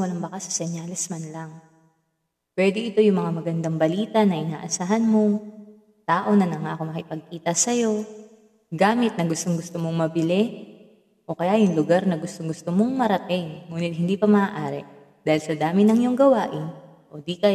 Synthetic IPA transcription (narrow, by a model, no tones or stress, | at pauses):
wɐlaŋbɐkasɐ̥sɛɲjaːlɛsmɐnlɐŋ | pwɛːd̪ɪʔɪt̪o̞jʊŋmɐŋamɐɡɐnd̪aŋbɐliːt̪ɐnɐʔɪna̰ːʔɐsaːɦɐnmo̞ | t̪aːʔo̞nɐnɐŋaʔɐkomɐkɪpɐɡ̚kiːt̪ɐsɐjo̞ | ɡaːmɪt̪̚nɐɡʊst̪o̞ŋɡʊst̪omo̞ŋmɐbɪlɛ | ʔo̞kɐjajʊŋlʊɡaɾnɐɡʊst̪oŋɡʊst̪omo̞ŋmɐɾɐt̪ɪŋːuːnɪt̪̚hɪnd̪iːpɐmɐaʔaːɾɛ̰ | d̪aːhɪlsɐd̪aːmɪnɐŋjoŋɡɐwaːʔɪn | ʔo̞d̪ikɐ